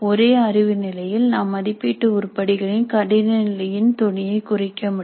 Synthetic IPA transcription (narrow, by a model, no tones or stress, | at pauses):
ɔɾeːɐrɪʋɯnɪlɐjɪlnaːmːɐðɪpːiːʈːɯʊɾpːɐɽɪɣɐɭɪnkɐɽɪnɐnɪlɐjɪnt̪ɔɳɪjɐɪkʊrɪkːɐmʊɽ